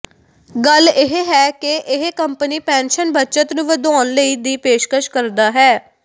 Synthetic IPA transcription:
ɡəlɪɦeɦɛːkɪʔɪɦekəmpəniːpɛ̃ːnʃənbətːt͡ʃət̪nũːʋəd̪aːnləiːd̪iːpeːʃkəʃkəɾd̪aːɦɛː

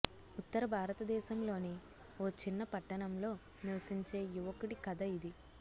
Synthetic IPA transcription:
ut̪ːɐɾɐbʱaːɾɐt̪ɐd̪ɛːʃɐmlo̞ːni | oːt͡ʃinːɐpɐʈːɐɳɐmlo̞ː | niʋɐsiɲt͡ʃe̞ːjuʋɐkuɽikɐd̪ɐid̪i

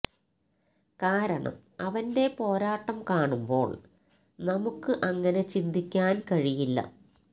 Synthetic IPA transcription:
kaːɾɐɳɐ̰m | ɐʋɐnde̞po̞ːɾaːʈːɐmkaːɳumbo̞̰ːɭ | nɐmukːɨʔɐŋːɐne̞t͡ɕind̪ikʲːaːnkɐɻijilːɐ̰

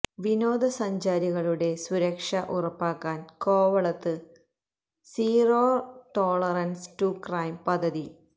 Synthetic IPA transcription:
ʋinoːd̪ɐsɐɲd͡ʑaːɾiɣɐɭuɽe̞swuɾɐkʂɐʔurɐpːaːkːaːnko̞ːʋɐɭɐt̪ːɨ | siːroːrʈo̞ːɭɐrɐnstukraːjmpɐd̪ʱːɐði

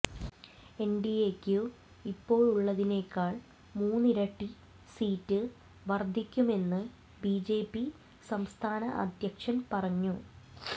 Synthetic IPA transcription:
e̞nɖiekʲːu | ipːo̞ːɻuɭːɐðine̞ːkːaːɭ | muːnːiɾɐʈːi | siːtːɨ | ʋɐrd̪ʱikʲːume̞nːɨ | bid͡ʑe̞ːpːi | sɐmst̪ʰaːnɐʔɐ̰d̪ʱjɐkʂɐnpɐrɐɲːu

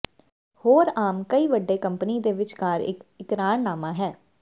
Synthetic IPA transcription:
hoːɾaːmkəiːʋəɖeːkəmpəniːd̪eːʋɪt͡ʃkaːɾɪ̰kɪt̪ɾaːɳnaːmãːɦɛː

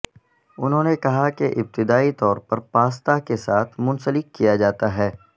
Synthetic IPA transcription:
ʊnɦõːnekɐɦakeʔɪb̚t̪ɪd̪aːit̪ɔːɾpɐɾpaːst̪akesaːt̪ʰmʊ̃nsəlɪkːijad͡ʒaːt̪aɦɛː

